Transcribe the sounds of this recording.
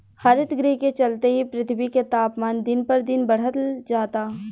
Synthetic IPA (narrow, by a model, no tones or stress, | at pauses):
hɐɾɪt̪ɡɾeːket͡ʃɐlt̪eɦipɾɪt̪ʰbiket̪aːpmaːnd̪ɪnpɐɾd̪ɪnbɐɽ̤ət̪d͡ʒaːt̪aː